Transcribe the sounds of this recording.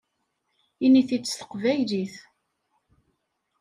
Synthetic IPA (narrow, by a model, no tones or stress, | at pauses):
iniθit͡sːəθə̥qvæjliθ